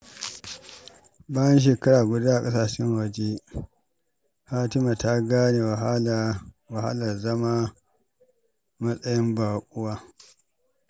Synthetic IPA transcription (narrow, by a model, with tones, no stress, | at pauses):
baː˦jɐ˦nʃ̬eː˨kɐ˦ɽaː˨ɡʷʊ˦da˦ʔa˨kʼɐ˦saː˨ʃɪ˦ŋwɐ˨d͡ʒe˦ | haː˦tɪ˦ma˨ta˦ɡaː˦neː˨w | wɐ˨ha̰˦lɐ˨rzɐ˦ma˦ | mɐ˦sʼɐ˦jɪ˦mbaː˨kʼʊ˦waː˦